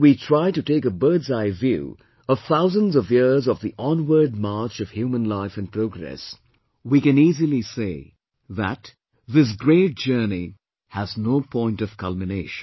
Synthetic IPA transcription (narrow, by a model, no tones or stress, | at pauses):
witʰɹ̥aɪtɨteɪkəbɜ˞dzaɪvjṵ | ʌv̥θaʊzə̃nzʌvjɪɹzʌvðiʔɔ̃nwə˞d̚mɑɹt͡ʃʌv̥hjumə̃nlaɪfɨ̃npʰɹ̥oʊɡɹɛ̰s | wikɨ̃niːzilˠiseɪ | ðə̰t̪ | ðɪs̬ɡɹeɪt̚d̥d͡ʒ̥ɜ˞ni | həznoʊpʰɔ̃ɪ̃ntʌv̥kʰʌlˠmɨneɪʃn